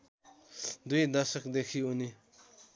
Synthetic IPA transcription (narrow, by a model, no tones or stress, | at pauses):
d̪ujd̪asək̚d̪ekʰiuni